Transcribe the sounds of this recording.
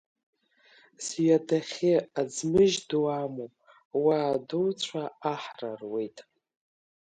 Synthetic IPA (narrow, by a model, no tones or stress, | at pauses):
sɥadaχʲɪad͡zmɨʒduamopʼ | waːduwt͡sʷʰaaħra̰rwe̞jtʼ